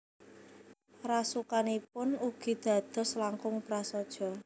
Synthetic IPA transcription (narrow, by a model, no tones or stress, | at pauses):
rasukanipʊnuɡ̥i̤d̪̥ä̤d̪̥ɔ̤slaŋkʊŋpɾasɔd̥ʒ̥ɔ̤